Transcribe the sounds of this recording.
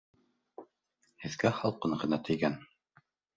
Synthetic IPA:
hɘ̆ðɡæχɑlˠqɤɴɢɤ̆nɑt̪ʰɘ̆jɡæn

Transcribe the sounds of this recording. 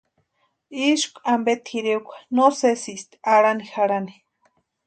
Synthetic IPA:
iʃkʷʼambet̪xiɾeukʷḁnosesist̪aɽanixaɽani̥

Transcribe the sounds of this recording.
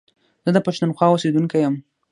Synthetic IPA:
z̥əd̪əpaʃt̪unxwɑosed̪uŋkajəm

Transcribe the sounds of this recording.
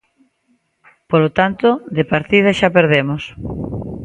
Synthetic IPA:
polot̪ant̪ʊðepaɾt̪ið̞aʃapeɾðemos

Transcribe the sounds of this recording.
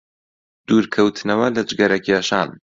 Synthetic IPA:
d̪̥uːɾkʰɐwt̪ʰɨnɐwɐlɐd͡ʒɡɐɾɐkʰjeːʃaːn

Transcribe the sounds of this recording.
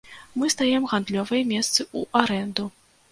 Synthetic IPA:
mɨst̪ajɛmɣand̪lʲɔvɐjɐmʲɛst̪sɨuʔaɾɛnd̪u

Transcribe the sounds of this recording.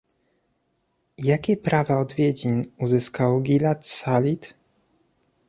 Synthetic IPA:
jakʲɛpɾavaɔd̪vʲjed͡ʑiɲuzɘskawɡʲilat̪salʲit̪

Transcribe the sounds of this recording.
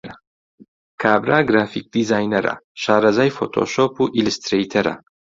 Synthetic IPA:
ɾa | kʰaːbɾaɡɾaːfik̚d̪izaːjnɛɾa̰ʃaːɾɐzaːjfot̪ʰo̰ʃoːpuʔilust̪ɾejt̪ʰɛɾa̰

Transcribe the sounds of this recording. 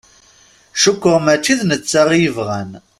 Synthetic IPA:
ʃʊkʷːəʁmæt͡ʃːiðnət͡sːaʁjəvʁæn

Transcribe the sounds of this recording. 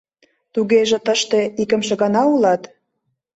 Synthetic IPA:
t̪uɣeʒĕt̪əʃt̪e̽ikə̆mʃĕɣɑnɑulɑt̪

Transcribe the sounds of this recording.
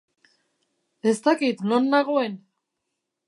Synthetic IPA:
e̞st̪akit̪nonːaɣ̞oen

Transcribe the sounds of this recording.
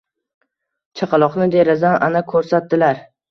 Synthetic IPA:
t͡ʃʰaqʰɑlˠɒqnɪd̪eɾazanʔanakʰɵɾsat̪d̪ɪlaɾ

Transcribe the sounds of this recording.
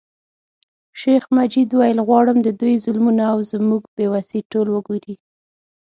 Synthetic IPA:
ʃexmad͡ʒid̪wajəlɣwɑɽəmd̪əd̪ujzʊlmunaːwzmuɡbewasiʈolwəɡoɾi

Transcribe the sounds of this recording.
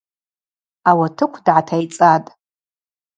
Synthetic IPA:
awatʰɨkʷʰdʕatʰajt͡sʼatʼ

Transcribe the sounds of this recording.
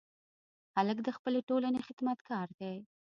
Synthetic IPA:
haləkd̪əxpəleʈolanexɪd̪mat̪kɑɾd̪aj

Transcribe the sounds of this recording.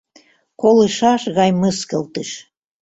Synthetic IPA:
kolɨʃɑʃɣɑjməskəlt̪əʃ

